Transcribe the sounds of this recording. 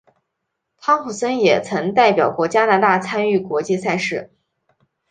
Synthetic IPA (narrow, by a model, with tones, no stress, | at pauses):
t̪ʰɑ˥ŋxu˨˩sə˥njɛ˨˩t͡sʰɤ˧˥ŋt̪a˥˩ɪpjɑ˨˩ʊkwɔ˥˩t͡ɕja˥na˧˥t̪a˥˩t͡sʰa˥ny˥˩kwɔ˧˥t͡ɕi˥˧sa˥˧ɪʂɻ̩˥˩